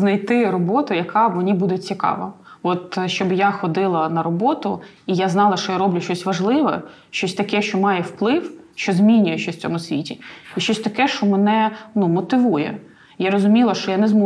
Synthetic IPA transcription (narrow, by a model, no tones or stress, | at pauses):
znɐjt̪ɪɾɔbɔt̪ʊjɐkʰɑʋɔnʲibud̪ɛt͡sʲikɑ̰ʋɐ̰ɔt̪ʃt͡ʃɔbjaxɔd̪ɪlˠɐnɐɾɔbɔt̪ʊ | ijaznɑlˠɐʃt͡ʃɔjaɾɔblʲʊʃt͡ʃɔsʲʋɐʒlˠɪʋɛ̰ | ʃt͡ʃɔsʲt̪ɐkɛʃt͡ʃɔmɑjɛwplˠɪwʃt͡ʃɔzmʲinʲʊjɛʃt͡ʃɔsʲft͡sʲɔ̰mʊsʲʋʲitʲiiʃt͡ʃɔsʲt̪ɐkɛʃt͡ʃɔmɛnɛnumɔt̪ɪʋujɛ̰ | jaɾɔzʊmʲilˠɐʃt͡ʃɔjanɛzmu